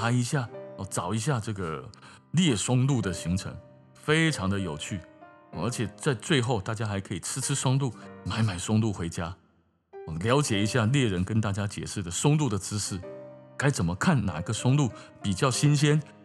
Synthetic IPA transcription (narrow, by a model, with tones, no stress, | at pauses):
a˧˥i˧˥ɕja˥˩ɔ˧˩t͡sɑ˨˩ʊi˧˥ɕ̬ja˥˧ʈ͡ʂɤ˥˩ɡə˩ | ljɛ˥˩ʂwʊ˥ŋlu˥˩d̪ə˩ɕi˧˥ŋʈ͡ʂʰɤ̰˧˥ŋ | fe˥ɪʈ͡ʂʰɑ˧˥ŋd̪ə˧˨jo˨˩ʊt͡ɕʰy˥˩ɔ˩ə̰˞˧˥t͡ɕʰjɛ˨˩t͡sa˥˧ɪt͡swe˥˧ɪxo˥˧ʊt̪a˥˩t͡ɕja˥xa˧˥ɪkʰɤ˧˥i˨˩t͡sʰɻ̩˥ʈ͡ʂʰɻ̩˥ʂwʊ˥ŋlu˥˩ma˧˥ɪma˨˩ɪʂwʊ˥ŋlu˥˩xwe˧˥ɪt͡ɕja˥ | ɔ˥˨˩ljɑ˧˥ʊt͡ɕjɛ˨˩i˧˥ɕja˥˩ljɛ˥˩ɻə˧˥nkə˥nt̪a˥˩t͡ɕja˥t͡ɕjɛ̰˨˩ʂɻ̩˥˩d̪ə˩ʂwʊ˥ŋlu˥˩d̪ə˩t͡sɹ̩˥ʂɻ̩˥˩ka˥ɪt͡sə˨˩nmə˦kʰa˥˩nna̰˨˩i˧˥ɡə˧ʂwʊ˥ŋlu˥˩pi˨˩t͡ɕjɑ˥˩ʊɕi˥nɕ̬jɛ˥n